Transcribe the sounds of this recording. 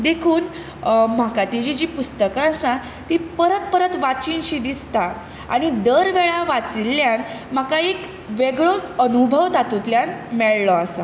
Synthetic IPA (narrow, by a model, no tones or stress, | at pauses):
d̪ekʰuːn | m̤akat̪id͡ʑid͡ʑiːpust̪əkãːsã | t̪ipəɾət̪̚pəɾət̪ʋat͡ɕinɕid̪ist̪a | a̰ɽ̃id̪əɾʋeɭaʋat͡siljanm̤akaek | ʋeɡɭot͡sənubʱəʋd̪at̪ut̪ljanmɛɭlɔasa